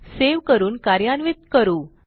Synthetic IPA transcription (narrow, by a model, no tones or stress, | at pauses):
seʋkəɾuːnkaɾjanʋit̪kəɾuː